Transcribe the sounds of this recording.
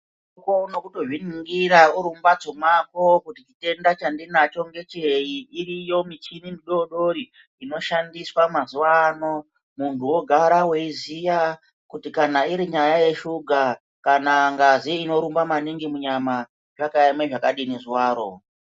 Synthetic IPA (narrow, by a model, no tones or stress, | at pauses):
ukono̞kuto̞ʐiniŋɡiɾauɾumbat͡somako̞kutit͡ʃite̞ndat͡ʃandinat͡ʃo̞ŋɡe̞t͡ʃeiːrijo̞mit͡ʃinindiɗo̞ɗo̞ɾi | ino̞ʃandiswamazuwano̞ | muntʰuwo̞ɡʱaɾaweizija | kutikanaiɾiɲajaje̞ʃuɡʱa | kanaŋɡaziino̞ɾumbamaniŋɡimuɲama | ʐakaimeʐakaɗinizwaːɾo̞̰